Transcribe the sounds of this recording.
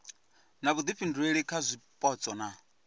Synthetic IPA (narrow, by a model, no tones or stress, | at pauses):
naβud̪iɸindueɺikʰazʷipʼɔt͡sʼɔna